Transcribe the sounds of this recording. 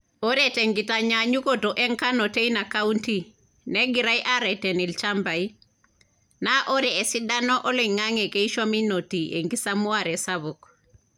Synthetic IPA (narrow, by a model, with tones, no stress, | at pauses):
o˦ɾɛtɛŋɡitaɲaɲu˦koto˨ʔɛ˦ŋka˦nɔ˨te˦ina˨ka˦unti˦ | nɛ˦ɡi˨ɾa˦jʔa˦ɾɛtɛ˨ni˨lt͡ʃamba˨i | naʔo˦ɾɛː˨si˦da˦nɔ˦ʔɔ˦lɔ˨iŋa˦ŋɛ˨ke˦i˦ʃa˦mi˦no˨ti˨ʔe˨ŋɡi˦samu˦aɾɛ˨saβu˨k